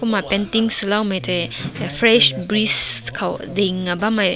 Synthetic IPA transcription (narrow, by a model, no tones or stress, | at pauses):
kumapɛnt̪iŋslawmetefɾɛʃbɾiskʰawdeŋːabamaj